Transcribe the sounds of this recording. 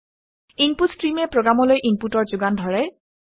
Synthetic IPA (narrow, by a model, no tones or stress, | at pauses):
inputstɹimɛpɹoɡɹamɔlojʔimputɔɹzʊɡandʱɔɹɛ